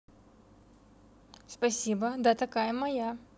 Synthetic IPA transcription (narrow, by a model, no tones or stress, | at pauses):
spɐsʲibəd̪at̪ɐkajəmɐja